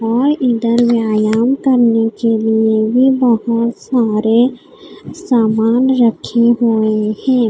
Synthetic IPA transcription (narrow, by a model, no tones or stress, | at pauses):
ɔːɾɪnd̪əɾwjaːjaːmkəɾnekeliebʱibəɦʊt̪saːɾe | saːmaːnɾəkʰeɦoehɛ̃ː